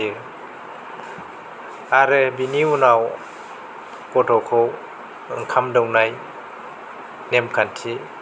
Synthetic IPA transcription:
i | aɾɯbiniunaw | kɔtʰɔkʰɔw | ɯŋkʰamdɔwnaj | nemkʰantʰi

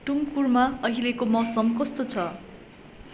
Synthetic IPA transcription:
ʈumkurmaʌɦilekomʌsʌmkʌst̪ot͡sʰʌ

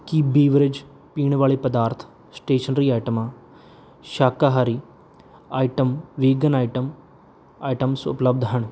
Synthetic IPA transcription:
kibiːʋɾɪd͡ʒ | piːɳ̃ʋaːɭeːpɐd̪aːɾt̪ʰ | sʈeːʃɐnɾiːaːʈɐmaː | ʃaːkaɦaɾi | aːjʈɐmʋiːɡɐnaːjʈɐm | aːjʈɐmsʊ̰plɐb̚d̪ʱɦɐɳ̃

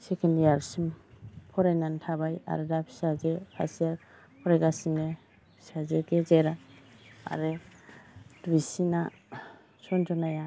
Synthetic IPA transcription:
sekʰendijaɾsimpʰɔɾajnantʰabaja̰ɾɯdapʰi̥sazekʰa̰sia | pʰɔɾaɡasine | i̥sazeɡezeɾa | a̰ɾɯ | dbisina | sɔnd͡ʒɔnaja

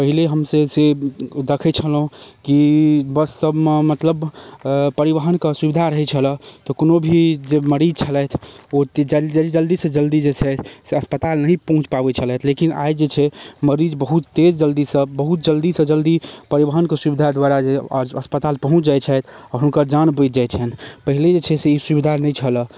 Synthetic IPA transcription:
pəɦileɦəmsẽsed̪ekʰɛt͡ʃʰəlɦũkibəsːəbmemət̪ləb | pəɾiʋəɦənkesubid̪ʱaɾəɦɛt͡ʃʰələt̪ɔkonobʱid͡ʒeməɾid͡ʒt͡ʃʰəlɛt̪ʰot̪d͡ʒəd͡ʒəid͡ʒəld̪isə̃d͡ʒəld̪id͡ʒet͡ʃʰɛseəspət̪alnəɦĩpəɦũt͡ʃpabɛt͡ʃʰəlɛt̪ʰlekina̰jd͡ʒet͡ʃʰɛməɾid͡ʒbəɦut̪t̪ed͡ʒd͡ʒəld̪isə̃bəɦut̪̚d͡ʒəld̪isə̃d͡ʒəld̪ipəɾibəɦənkesubid̪ʱad̪waɾad͡ʒeəspət̪alpəɦũt͡ʃʰd͡ʒajt͡ʃʰɛjt̪ʰɔɦunkəɾd͡ʒanbət̪̚d͡ʒajt͡ʃʰɛnpəɦiled͡ʒet͡ʃʰɛseisubid̪ʱanɛjt͡ʃʰələ

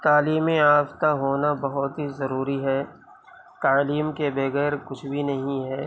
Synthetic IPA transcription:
t̪aːliːmiaːft̪aɦoːnabɐɦʊt̪ɦizɐɾuːɾiɦɛː | t̪aːliːmkebɐɣɛːɾkʊt͡ʃʰbʱinɐɦĩɦɛː

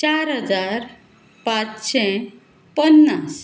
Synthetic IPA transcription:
t͡ɕaɾɦəd͡zaɾ | pãt͡sɕɛ̃ | pənːas

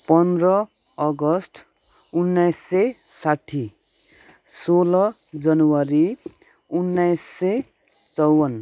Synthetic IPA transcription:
pʌnd̪rʌ | ʌɡʌsʈ | unːajsːesaʈʰːi | solʌd͡zʌnwʌɾi | unːajsːe | t͡sʌwʌn

